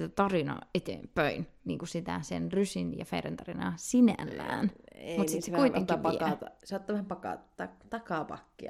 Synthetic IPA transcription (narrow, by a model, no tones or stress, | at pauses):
t̪æt̪ɑrinɑ̰ːet̪ḛːpøinniːŋkusit̪æ̰senrysinjɑ̰feiɾḛnt̪ɑrinɑ̰ːsinæ̰lːæ̰ːneemut̪sisekuiteŋk̪ːipɑɑt̪ɑsɑt̪ːɑːʋæhæmpɑkɑ̰t̪ɑt̪ɑkɑpɑ̰kːiɑ̰